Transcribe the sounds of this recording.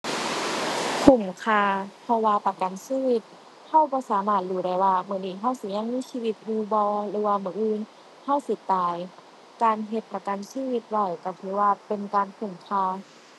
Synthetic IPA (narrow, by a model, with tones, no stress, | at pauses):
kʰu˧˩mkʰaː˧pʰɔ˧waː˧pa˧ka˨nsiː˧˨wi˧˩t̪̚ | hʰa˧˥˩wpaː˧˦saː˨˦naː˧˩luː˧˩˦ɾa˧˩jwaː˧mɯ˧˩˨niː˧˩t̪ʰa˧˥˩wsi˧˦ɲa˧˨ŋmiː˧˥˨siː˧wi˧t̪̚buː˧bɔː˧ɾɯː˨˦waː˧mɯ˧˦ʔɯː˧˨n | h̪ʰa˥˨wsi˧˦t̪aː˨˩j | kaː˧nɦe˧t̪̚pːɾa˧ka˧˨nsiː˧˨wi˧t̪̚wa˧˩jkɔ˧˩t̪ʰɯː˧˦waː˧pe˧nkaː˧nkʰu˨˧˩mkʰaː˧